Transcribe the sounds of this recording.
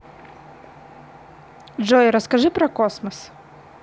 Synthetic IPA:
ʒɔjɾɔskɐʒɪpɾɔkɔsmɔs

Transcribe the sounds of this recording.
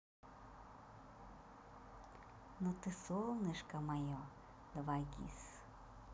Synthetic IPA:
nɔt̪ɪsɔlˠnɪʃkɐmajɔ | d̪ʋaɡʲḭs

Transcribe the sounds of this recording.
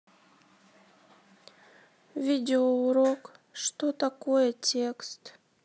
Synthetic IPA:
vʲidʲɪouɾokʂt̪ot̪akojɛtʲʰekst̪

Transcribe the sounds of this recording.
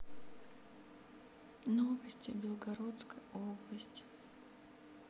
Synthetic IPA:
novəsʲtʲɪbʲɪlˠɡɐɾot̪skəjoblˠəsʲtʲ

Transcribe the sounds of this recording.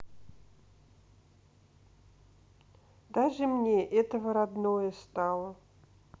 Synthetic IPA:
d̪aʐɨmnʲeʔɛt̪əvəɾad̪nojəst̪alˠə

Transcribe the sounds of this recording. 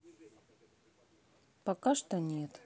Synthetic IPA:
pɐkaʂt̪onʲet̪

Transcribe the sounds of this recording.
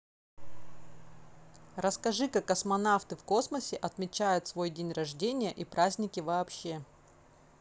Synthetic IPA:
rəskɐʐɨkakːəsmɐnaft̪ɨfko̞sməsʲɪʔɐt̪mʲɪt͡ɕæjʊt̪svo̞jdʲenʲrɐʐdʲenʲɪjəʔipɾazʲnʲɪkʲɪvɐːpɕːe̞

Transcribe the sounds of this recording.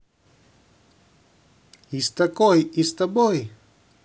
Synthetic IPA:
ist̪ɐkojist̪ɐboj

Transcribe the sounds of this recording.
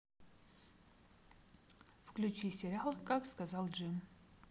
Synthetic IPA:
fklʲut͡ʃisʲeɾʲalkakskazalˠd͡ʒɨm

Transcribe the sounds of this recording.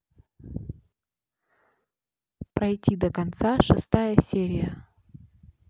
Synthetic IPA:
pɾɐjtʲid̪əkɐnt̪saʂɨst̪ajəsʲeɾʲɪjə

